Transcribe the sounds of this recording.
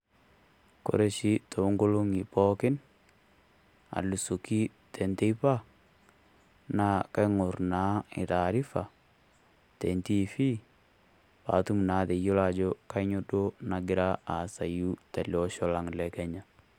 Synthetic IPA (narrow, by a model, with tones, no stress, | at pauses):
ko̰˨ɾe˦ʃi˦to˨u˦ŋɡo˦lo˦ŋi˨pɔ˦kɪ˦n | a̰˨lu˨so˨ki˦ | te˨nte˦pa˦ | na˨˦ka˦ŋʊ˨ɾnaː˨˦ɪ˨ɾa˨ɾi˦fa˨ | te˨nti˦˨fi˦ | pa̰˨tu˦m˨na˨˦te˨jo˦la˨d͡ʒo˦ka˦ɲo˦do˦na˨ɡɪ˦ɾa˦a˨sa˨ju˦ta˨ljɔ˦ʃɔ˦la˨ŋlɛ˨kɛ˦ɲa˨